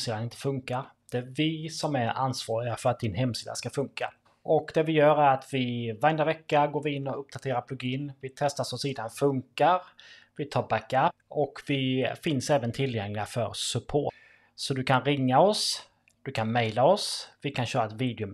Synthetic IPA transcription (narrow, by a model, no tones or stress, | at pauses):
siːd̪anɪnt̪ʰə̥fɵŋkaɾd̪̥ɛæɾvɪsɔmæɾa̰nsvɑːɾɪɡafœɾat̪̚d̪ɪnɦɛmsiːd̪a̰skafɵŋka | ʔɔkd̪ɛvɪjœːɾæɾat̪vɪvaɾɛnd̪avɛkːaɡoːvɪɪnːɔɵpːd̪at̪ʰeːɾaɾpʰlɵɡiːnvɪt̪ʰɛst̪asɔsiːd̪anfɵŋkaɾ | vɪt̪ʰɑːɾbækap | ɔkvɪfɪnsɛːvənt̪ʰɪlːjɛŋlɪɡafœɾsɵpʰo̰ː | sɔd̪ɵkʰanɾɪŋːaɔs | d̪̥ɵkʰanmɛjlaɔsvɪkʰanɕœːɾaɛt̪viːd̪ɪʊ